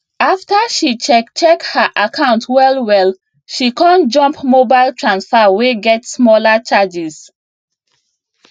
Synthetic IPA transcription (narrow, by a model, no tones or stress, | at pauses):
aftaʃit͡ʃɛt͡ʃɛkhaʔakʰãʊ̃ntʰwɛlwɛl | ʃikãnd͡ʒɔ̃mpmobaɪltʰɹãnsfɛweɡɛtsmɔlat͡ʃad͡ʒis